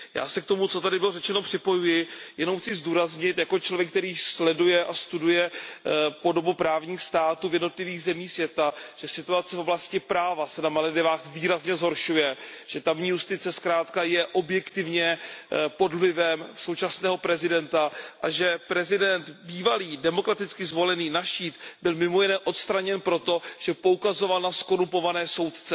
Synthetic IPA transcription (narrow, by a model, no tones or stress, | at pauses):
ja̰ːsɛkt̪o̞mut͡so̞t̪adɪbɪlo̞rɛt͡ʃɛno̞pr̝̥ɪpo̞jujɪjɛnowxt͡sɪzduːɾazɲɪt̪jako̞t͡ʃlo̞vjɛk̚t̪ɛɾiːslɛdujɛʔast̪udujɛ | po̞do̞bupɾaːvɲiːxst̪aːt̪uːvjɛdno̞t̪lɪviːɣzɛmiːxsvjɛt̪aʒ̥ɛsɪt̪uat͡sɛfo̞blascɪpɾaːvasɛnamalɛdɪvaːxviːɾazɲɛzɦo̞ɾʃujɛʒ̥ɛt̪amɲiːjust̪ɪt͡sɛskɾaːt̪kajɛʔo̞bjɛkt̪ɪvɲɛpo̞dllɪvɛmsowt͡ʃasnɛːɦo̞pɾɛzɪdɛnt̪aʔaʒɛpɾɛzɪdɛnt̪biːvaliːdɛmo̞kɾat̪ɪt͡skɪzvo̞lɛniːnaʃiːt̪bɪlmɪmo̞jɪnɛːʔo̞t̪st̪ɾaɲɛnpɾo̞t̪o̞ʒ̥ɛpo̞ukazo̞valnasko̞ɾumpo̞vanɛːso̞wt̪t͡sɛ